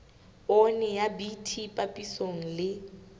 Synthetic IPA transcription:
ɔnɛjabitʰipʼapʼisoŋ̩lɪ

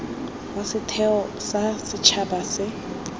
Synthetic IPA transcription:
wasɪtʰɛɔ | sasɪt͡ʃʰabasɪ

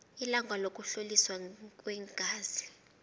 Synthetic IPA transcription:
ilaŋɡʱwalok̬ʼuɬoliswak̬ʼwɛŋɡ̥ʱaːz̥i

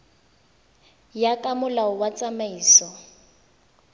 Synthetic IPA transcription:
jakʼamʊlaʊwat͡sʼamaiːsɔ

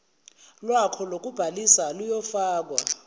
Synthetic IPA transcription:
lwakʰɔlok̬ʼub̥ʱalisalujɔfaːk̬wa̰

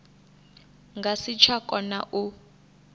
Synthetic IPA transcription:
ŋɡʱasit͡ʃʰwakʼɔna̰ʔu

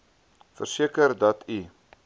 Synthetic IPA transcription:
fərsiəkərdɐtʰi

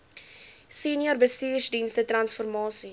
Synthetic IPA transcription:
seniɔrbəstiːrsdinstətrɐnsfɔrmɑːsi

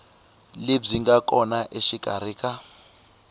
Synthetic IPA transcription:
lib͡ʐiŋɡakʼɔnaʔeʃikʼa̰ɾ̤iːkʼa

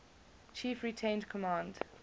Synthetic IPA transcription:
t͡ʃʰiːˑfɹitʰẽɪ̃ndkʰɔmãnd

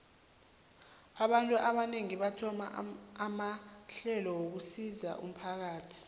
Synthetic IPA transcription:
aɓantʼuʔaɓaneŋiɓatʰɔma̰ːmaɬɛlɔwok̬usiza̰ʔṵm̩pʰak̬aːtʰi̥

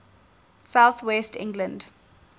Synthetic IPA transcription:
sawθwɛstɪ̰̃ŋɡlə̃nd

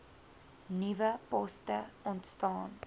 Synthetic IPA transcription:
nivəpɔstəɔntstɑːn

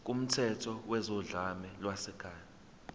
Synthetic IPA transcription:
k̬um̩tʰɛtʰɔwɛzɔɮamɛlwasɛkʰaːna

